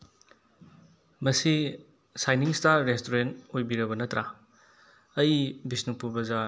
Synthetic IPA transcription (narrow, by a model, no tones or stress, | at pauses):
mɐsi | sajniŋstaɾːestoɾenojbiɾɐbɐnɐtɾa | ɐjbisnuŋpuɾbɐza